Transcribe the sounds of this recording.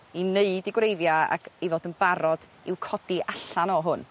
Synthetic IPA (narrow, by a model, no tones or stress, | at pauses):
ineɨdiɡwrejvjaa̰ɡivɔdənbaɾɔd̥ | ɪwkʰɔd̥iʔaɬanɔɦʊn